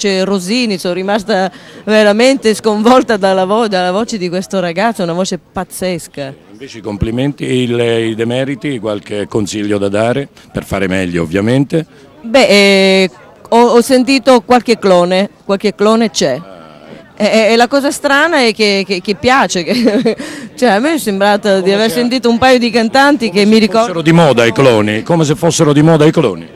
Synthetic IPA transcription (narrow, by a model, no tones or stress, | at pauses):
t͡ʃeroziːnisonrimast̪aveɾament̪eskoɱvɔlt̪ad̪alːavod̪alːavoːt͡ʃed̪ikwest̪oɾaɡat̪sounavoːt͡ʃepat̪sːɛskaiɱveːt͡ʃeikompliment̪iilid̪emɛːɾit̪ikwalkekːonsiʎːod̪ad̪aːɾe | perfaːɾemɛʎːoo̰vːjament̪e | bɛʔ | ɔɔsːent̪̬iːt̪okwalk̟ekːlɔːnekwalkekːlɔːnet͡ʃɛ | ɛːlakɔːzast̪ɾaːnaɛk̟ːek̟ːek̟ːepːjaːt͡ʃeke | t͡ʃoɛamːɛɔsːembɾaːt̪ad̪iaversent̪̬iːt̪oumpaːjod̪ikant̪ant̪ik̟emːiɾikɔeɾod̪imɔːd̪aiklɔːnikomes̬efːosːeɾod̪imɔːd̪aiklɔːni